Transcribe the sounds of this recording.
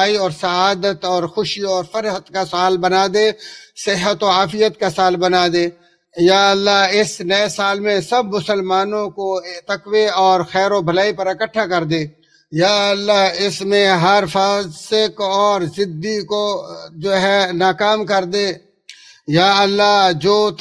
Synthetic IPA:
aːiɔːɾsɐaːd̪ət̪ɔːɾxʊʃiɔːɾfəɾɦət̪kasaːlbɐnaːd̪esɪɦət̪oaːfɪjət̪kasaːlbɐnaːd̪eː | jaːəlːaɦɪsnɐesaːlmẽsɐbmʊsəlmaːnõkot̪əkweɔːɾxɛːɾobʱəlaːipɐɾəkəʈʰːakɐɾd̪eː | jaːɐlːaɦɪsmẽɦɐɾfaːsɪkɔːɾzɪd̪ikod͡ʒoːɦɛnaːkaːmkɐɾd̪eː | jaːɐlːad͡ʒoː

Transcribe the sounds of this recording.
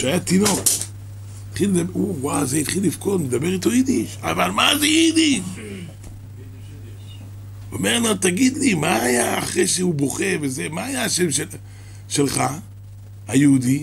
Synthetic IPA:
ʃeajat̪ino̞ | it̪χileabuwazeit̪χilːifko̞tmed̪abeʁit̪o̞id̪iʃavalmazeid̪iʃ | omeʁlat̪aɡid̪limaːjaaχʁejʃehubo̞χe̞ʁvezemaːjaaʃemʃe | ʃelχa | hajeudi

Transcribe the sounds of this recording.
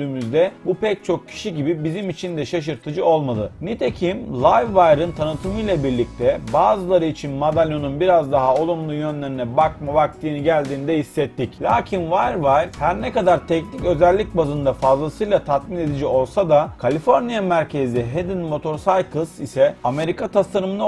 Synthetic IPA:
d̪yːmyzd̪ɛbupɛc̚t͡ʃʰo̞k̚cʰi̥ʃiɟibibizimit͡ʃʰind̪ɛʃaʃ̬ɯɾt̪ʰɯd͡ʒɯo̞lˠmad̪ɯnɛt̪ʰecʰimlˠajvːajɾɯnt̪ʰanɯt̪ʰɯmɯjlˠabiɾlʲic̚t̪ʰɛbaːzɯlˠaɾɯit͡ʃʰinmad̪alʲjo̞nunbiɾazd̪aɦao̞lˠumlˠujø̞nlʲe̞ɾinɛbakmabak̚t̪ɯːniɟælʲd̪iːnd̪ɛhisːɛt̪ːiclʲaːcʰinvajɾvajɾ̥hæɾnɛkad̪aɾt̪ʰɛcnicø̞zɛlʲːic̚bazɯnd̪afazlˠasɯjlˠat̪ʰat̪̚mine̞d̪id͡ʒio̞lˠsad̪akʰalʲifo̞ɾnijamæɾcʰe̞ziɦed̪inmo̞t̪ʰo̞ɾsajkʰɯsisɛame̞ɾikʰat̪ʰasaɾɯmɯd̪a

